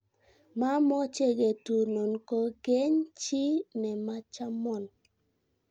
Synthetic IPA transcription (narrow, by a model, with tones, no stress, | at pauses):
ma˦mɔ˦t͡ʃe˦ɡe˨tu˨no˨nko˦ɡe˦ɲt͡ʃi˦nɛ˨ma˦t͡ʃa˦mɔ˨n